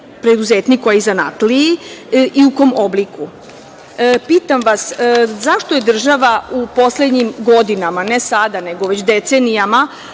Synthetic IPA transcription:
pɾed̪uzeːt̪nikoaizanat̪liiʔiuk̪omobliku | piːt̪amʋaszaʃt̪o̞je̞d̪r̩ʒaʋaupo̞sled̪ɲimɡo̞d̪inamane̞sad̪aneɡo̞ʋet͡ɕd̪et̪senijama

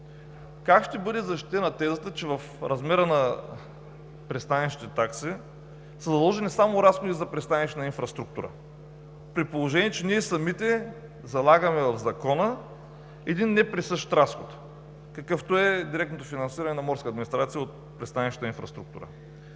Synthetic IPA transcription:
kakʃt̪ɛbɤd̪ɛzɐʃt̪it̪ɛnɐt̪ɛzət̪ət͡ʃɛvɐfɾɐzmɛɾənɐ | pɾɛst̪anɛʃi̥t̪ɛt̪aksi | səzɐd̪lˠɔʒɛnisamoɾasxod̪izɐpɾɛst̪anɛʃt̪nɐinfɾɐst̪ɾuk̚t̪uɾə̰ | pɾit̪̚polˠoʒɛniɛt͡ʃɛniɛsɐmit̪ɛ | zɐlˠaɡəmɛvɐvzɐkɔnə | ɛd̪inːɛpɾɛsɤʃt̪ɾasxot̪ | kɐkɤft̪oɛd̪iɾɛk̚t̪not̪ofinɐnsiɾɐnɛnɐmɔɾskəːd̪minist̪ɾat̪sijəot̪̚ | pɾɛst̪anɛʃit̪nĩnfɾɐst̪ɾukt̪uɾə̰

